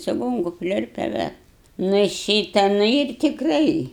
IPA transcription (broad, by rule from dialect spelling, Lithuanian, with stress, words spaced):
t͡ʃʲɪˈɡoːŋkʊ ˈpʲlʲʊrʲpʲɛ ˈʋʲɛ ˈnʊ ɪ ˈʃʲiːtɐ ˈnʊ ɪr tʲɪkˈrɐɪ